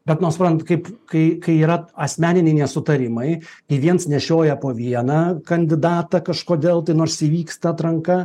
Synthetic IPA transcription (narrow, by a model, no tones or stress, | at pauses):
bʲɛt̪noːsʊpɾɐnt̪kɐɪpkɐɪkɐɪiːɾɐɐsʲmʲæːnʲɪnʲɛɪnʲɛsʊt̪ɐɾʲɪmɐɪkɐɪʋʲiɛnsnʲɛʃʲoːjɛpoːʋʲiɛnɑːkɐnʲd̪ʲɪd̪ɑːt̪ɐkɐʃkoːd̪ʲeːlˠt̪ɐɪnoːɾsiːʋʲiːkst̪ɐt̪ɾɐŋkɐ